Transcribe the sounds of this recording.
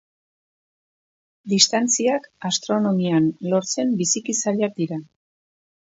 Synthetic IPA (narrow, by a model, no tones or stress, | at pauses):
d̪ist̪ant͡siakast̪ɾo̞no̞mianlo̞ɾt͡se̞mbisikisaɾak̚d̪iɾa